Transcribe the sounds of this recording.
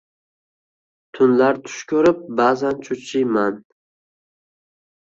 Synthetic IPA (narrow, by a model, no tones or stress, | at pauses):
t̪ʰʊnlaɾt̪ʰʊ̥ʃkʲʰɵɾɪp̚bazant͡ʃʰʊt͡ʃʰɪjman